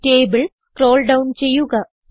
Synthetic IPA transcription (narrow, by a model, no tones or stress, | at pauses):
teːbɨɭskro̞ːlɖɐwnt͡ɕe̞jːuɣɐ